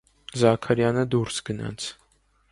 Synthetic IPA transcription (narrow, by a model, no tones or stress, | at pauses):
zɑkʰɑɾjɑnəd̪uɾsɡənɑ̰t͡sʰ